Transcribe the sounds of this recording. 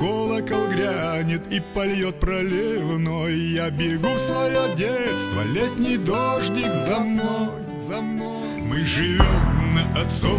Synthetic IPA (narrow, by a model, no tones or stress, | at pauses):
ɡolˠəkɐlˠɡɾʲanʲɪt̪ipɐlʲjo̞t̪̚pɾɐlʲɪvno̞jːabʲɪɡufsvɐjodʲet̪st̪və̰lʲetʲnʲɪjd̪oʐdʲɪkzɐmnoj | zɐmnoj | mɨʐɨvʲomnəʔɐt̪so